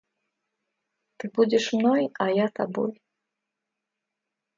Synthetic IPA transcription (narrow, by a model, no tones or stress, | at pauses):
t̪ɨbud͡zʲɛʂmnɔjɐjat̪abɔ̰j